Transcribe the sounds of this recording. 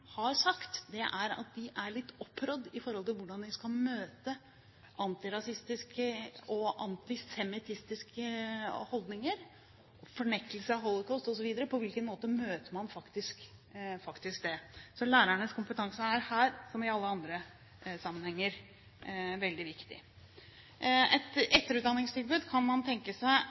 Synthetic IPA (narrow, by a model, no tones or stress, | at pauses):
hɑɾsɑkt̪d̪ɛʔæɾɑ̰t̪̚d̪ɪʔæɭɪt̪ːɔpʰːɾɔd̪ːɪfɔɾhɔlt̪ɪlʋʊɖɑnd̪ɪskɑlmøːt̪ə | ʔɑnt̪ɪɾɑsɪst̪ɪskəɔʔɑnt̪ɪsɛmɪt̪ʰɪst̪ɪskəhɔld̪nɪŋəɾ | fɔɳɛkːəlsəɑɦɔlːˠɔkʰɑːst̪ɔsɔʋiːd̪əɾəpʰɔʋɪlkənmoːt̪əmøːt̪əmɑnfɑkt̪ɪskfɑkt̪ɪsk̚d̪ɛsɔlæːɾæɳəskʊmpət̪ʰɑŋsəæɾhæːɾsɔmɪɑlːəɑnd̪ɾə | sɑmːənhɛŋːəɾ | ʋɛld̪ɪʋɪkt̪ɪ̰ | ɛt̪ɛt̪ːəɾʉːt̪d̪ɑnːɪŋst̪ʰɪlbʉːd̪kʰɑnmɑnt̪ʰɛŋkəsæɪ